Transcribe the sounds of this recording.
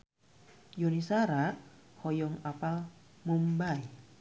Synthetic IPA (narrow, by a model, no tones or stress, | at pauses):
jonisaɾaʔhɔjɔŋapal | mumbai